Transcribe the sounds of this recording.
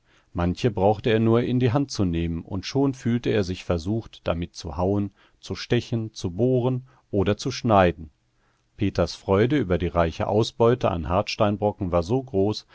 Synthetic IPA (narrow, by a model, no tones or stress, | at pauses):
mançəbʁaʊxtəeːɐnuːɐʔɪndiːɦant̚t͡suneːmənʔʊ̰ntʃoːnfyːltəeːɐzɪçfɛɐzuːxtd̥a̰mɪt̚t͡sṵhaʊən | t͡suʃtɛçən̩t͡suboːʁ̞ən | ʔoːdɐt͡suʃnaɪdn̩ | pʰeːtɐsfʁ̥ɔʏdəyːbɐdiːʁaɪçə̰ʔa̰ʊsb̥ɔʏtəʔa̰nhaɐtʃtaɪnbʁɔkŋ̩vaːɐzoːɡʁoːs